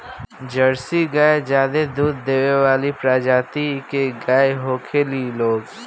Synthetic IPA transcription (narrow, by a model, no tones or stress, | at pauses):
d͡ʒəɽsiɡaːed͡ʒjaːd̪ed̪uːd̪ːeːʋeʋaːlipɾaːd͡ʒaːt̪ikeɡaːeɦoːkʰeliloːɡ